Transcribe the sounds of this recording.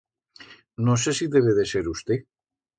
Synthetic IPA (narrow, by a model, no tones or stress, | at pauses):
nosesiðeβ̞eð̞eseɾust̪e